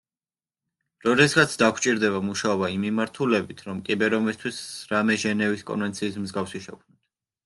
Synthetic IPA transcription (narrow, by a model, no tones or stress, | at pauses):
ɾɔd̪ɛsɡat̪sʰd̪akʰt͡ʃʼiɾd̪ɛβamuʃaɔbaimːimaɾt̪ʰulɛbit̪ʰɾɔmkʼibɛɾɔmist̪ʰwisɾamɛʒɛnɛviskʼɔ̰nvɛnt̪sʰiːs̬mzɡafsiʃɛ̰kʰmnɔt̪ʰ